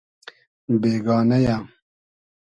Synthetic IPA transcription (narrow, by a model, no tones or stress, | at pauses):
beːɡɑːnɐja